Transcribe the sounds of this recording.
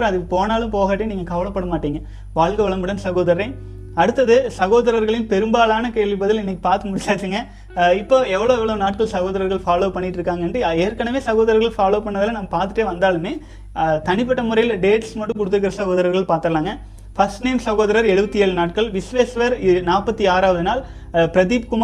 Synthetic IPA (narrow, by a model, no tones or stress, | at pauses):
ɾɐ̃ɐðɯpoːnaːlɯmpoːɣaːʈːeniːŋɡɐkɐʋɐɭɐpːɐɽɐmaːʈːiːŋɡɐ | ʋaːɭɡɐʋɐɭɐmbɯɽɐnsɐɣoːðɐɾɐɾɐ | ɐɽɯt̪ːɐðɯsɐɣoːðɐɾɐɾɣɐɭɪj̃npɛɾɯmbaːlaːnɐkeːɭɪp̬ːɐðɪlɪnːɛkːi̥paːɾt̪ɯmʊɽɪt͡ʃaːt̪ːiːŋɡɐ | ɪpːoːɛʋːɐɭoːɛʋɐɭoːnaːʈ̚kɐɭsɐɣoːðɐɾɐɾɣɐɭfaːloːpɐɳːɪʈːɪɾɯkːaːŋɡɐɛnɖrɯeːɾkɐɳɐmeːsɐɣoːðɐɾɐɾɣɐɭfaːloːpɐɳːɐðɪlɐnɐmːɐpaːɾt̪ːɯʈːeːʋɐnd̪aːlɯmeː | t̪ɐnɪp̬ːɐʈːɐmʊɾɐjɪlɖeːʈsmɐʈːɯ̃kʊɽɯt̪ːɯɾɯk̬ːɪɾɐsɐɣoːðɐɾɐɾɣɐɭpaːɾt̪ɐɐlaːŋɡɐ | fɐsʈneːmsɐɣoːðɐɾɐɾɛɽɯʋɐt̪ːieːɭnaːʈ̚kɐɭʋɪsʋeːsʋɐɾnaːpːɐt̪ːiaːɾaːʋɐðɯnaːl | pɪɾɐðiːb̚kʊm